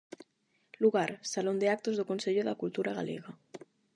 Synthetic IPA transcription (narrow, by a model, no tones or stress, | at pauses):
luɣaɾsalond̪eak̚t̪ozðokonseʎoðakult̪uɾaɣa̰lḛɣa